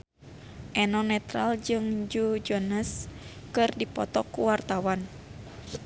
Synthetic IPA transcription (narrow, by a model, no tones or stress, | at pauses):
ʔɛnɔnɛt̪ɾald͡ʒɨŋd͡ʒud͡ʒɔnəskɨrdipɔ̰t̪ɔkuwart̪awan